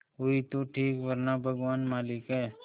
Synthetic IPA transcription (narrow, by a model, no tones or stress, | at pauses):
oɦit̪oʈʰiːkʋɐɾnabʱɐɡʋaːnmaːlɪkɦɛː